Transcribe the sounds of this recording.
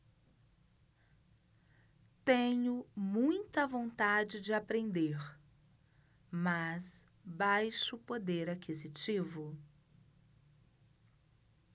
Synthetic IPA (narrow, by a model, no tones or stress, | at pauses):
t̪ẽɲʊmũj̃t̪ɐvõnt̪ad͡ʒɪd͡ʒɪapɾẽnd̪eɾ | mɐs | bajʃʊpod̪eɾakʰizit͡ʃivʊ